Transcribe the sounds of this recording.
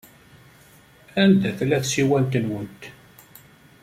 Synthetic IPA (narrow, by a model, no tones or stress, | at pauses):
ænd̪æθlæθsiwænt̪ənwənt̪